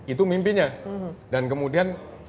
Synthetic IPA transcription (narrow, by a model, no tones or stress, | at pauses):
it̪̬umimpinɲadankəmudian